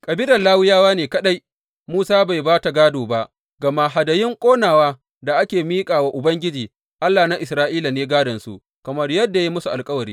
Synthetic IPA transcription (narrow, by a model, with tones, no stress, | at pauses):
kʼɐ˨bɪ˦dɐ˨laː˦wɪ˦jaː˦waː˦neː˨kɐ˦ɗa˦j | muː˦saː˦ba˨jbaː˦ta˨ɡaː˦doː˨ba˦ʔ | ɡɐ˨ma˦ɦa˨dɐ˨jɪ˦ŋkʷʼoː˦naː˨waː˦ | da˨ʔa˦kʲeː˨miː˦kʼaː˨wa˦ʔʊ˨bɐ˦ŋɡʲɪ˦d͡ʒiː˨ | ʔa˦lːaː˨na˦ʔɪ˨sɾaː˦ʔiː˦la˨neː˦ɡaː˦dɐ˨nsṵ˨ʔ | kɐ˨mɐ˦rjɐ˦dːa˨ji˦mʊ˦su˨ʔa˨lkʼɐ˦wɐ˨ɾiː˦